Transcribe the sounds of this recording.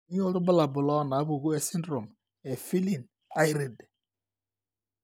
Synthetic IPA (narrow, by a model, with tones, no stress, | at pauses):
i˦o˦ɾu˦ba˦la˨bʊ˨lɔ˦˨na˨˦bu˨ɣu˦e˦si˦ndɾo˨m | e˨fi˦li˨n | a˦i˦ɾi˨d